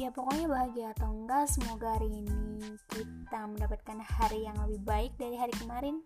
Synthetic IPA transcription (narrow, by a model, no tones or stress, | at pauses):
japokoɲabaɦaɡiat̪əŋɡasəmoɡaɾinikit̪aməndapat̪̚kanhaɾijaŋləbɪhbaɪk̚daɾiɦaɾikəmaɾɪn